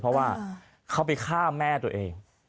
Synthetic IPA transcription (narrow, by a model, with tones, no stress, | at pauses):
pʰɾɔ˦˥waː˥˩ | kʰa˦˥˩wpa˨jkʰaː˥˩mɛː˥˩t̪u˧˩ɐʔeː˧ŋ